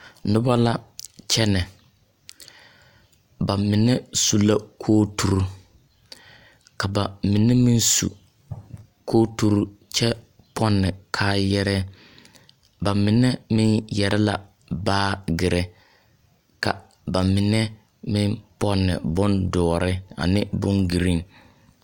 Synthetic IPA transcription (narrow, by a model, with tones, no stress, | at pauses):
nʊ˦ba˦la˦t͡ʃɛ˦nɛ˨ | ba˨mɪ˨nɛ˦su˨la˦kʰoː˦tu˨ɾu˦ | ka˨ba˨mɪ˨nɛ˦mɪ˦nsṵ˨ | kʰoː˦tu˦ɾu˦t͡ʃɛ˦ | pʰɔ˦nːɪ˨kʰaː˦jɛ˦ɾɛ˦ | ba˨mɪ˨nɛ˦mɪ˦njɛ˨ɾɛ˦la̰˨ | baː˦ɡɪ˨ɾɛ˦ | ka̰˨ | ba˨mɪ˨nɛ˦ | mɪ˦npɔ˦nːɪ̰˨bʊ˦ndɔː˨ɾʔɪ˦a̰˨nɪ˦bʊ˦nɡi˨ɾi˦ŋ